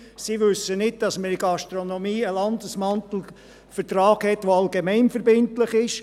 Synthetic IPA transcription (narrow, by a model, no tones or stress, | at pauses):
siʋʏsənɪd̚d̥ɑsməɾɪɡɑʃtɾonomiːəlɑnd̪əsmɑntl̩ | fəɾtɾɑːɡhɛtʋoɑlɡemɛɪnfəɾbɪntlɪχɪʃ